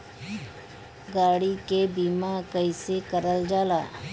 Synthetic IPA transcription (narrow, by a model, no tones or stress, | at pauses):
ɡaːɽikebiːmakəɪsekəɾəld͡ʒaːlaː